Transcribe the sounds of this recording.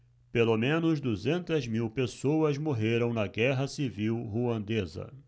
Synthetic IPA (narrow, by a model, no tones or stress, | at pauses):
pelomẽnʊzd̪uzẽnt̪ɐzmiwpesowɐzmoɦeɾɐ̃w̃nɐɡɛɦɐsiviwɦuɐ̃nd̪ezɐ̰